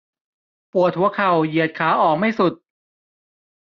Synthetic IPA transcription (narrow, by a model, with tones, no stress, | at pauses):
pu˨˩ət̪̚ʰːu˦ɐkʰa˨˩wji˨˩ət̪̚kʰaː˩˦˥ʔɔː˨˩k̚ma˥˩jsu˨˩t̪̚